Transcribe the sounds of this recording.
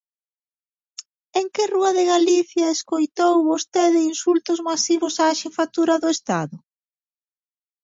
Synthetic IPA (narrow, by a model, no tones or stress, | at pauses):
eŋkɪruɐðeɣaliθjɐeskojt̪owβost̪eðɪinsult̪ʊzmasiβʊsaːʃifat̪uɾɐðʊest̪aðʊ